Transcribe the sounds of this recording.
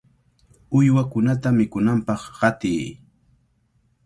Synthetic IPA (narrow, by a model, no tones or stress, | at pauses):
ʊjwakʊnat̪amɪkʊnampɑχɢɑt̪ɪj